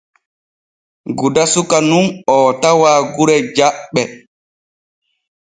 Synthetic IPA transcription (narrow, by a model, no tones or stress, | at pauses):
ɡudasukanunɔtawaːɡuɾɛd͡ʒaɓːɛ